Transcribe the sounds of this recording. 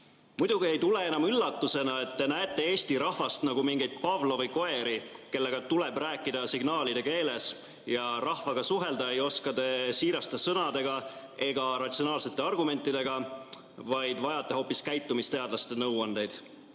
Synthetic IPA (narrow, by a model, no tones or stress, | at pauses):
mud̪̥uɡie̞jt̪ule̞e̞nɑmylːɑt̪ːˑuse̞nɑe̞t̪ːe̞næet̪ˑːe̞e̞ːst̪iɾɑhvɑst̪nɑɡ̥umiŋɡ̥ejd̪̚pɑvlo̞vɯjko̞e̞ɾike̞lːe̞ɡ̥ɑt̪ule̞bræːkːˑid̪ɑsiɡnɑːlid̪e̞ke̞ːle̞s | jɑɾɑhvɑɡ̥ɑsuɦe̞ld̪ɑejo̞skɑd̪e̞siːɾɑst̪ɑsɤnɑd̪̥e̞ɡ̥ɑ | e̞ɡ̥ɑɾɑt̪sio̞nɑːlse̞t̪ːˑe̞ɑrɡume̞nʲt̪ːˑid̪e̞ɡ̥ɑ | vɑjd̪vɑjɑt̪ːˑe̞ho̞ːpːiskæjt̪ːˑumist̪e̞ɑd̪lɑst̪e̞nɤwɑnd̪e̞jd̪̥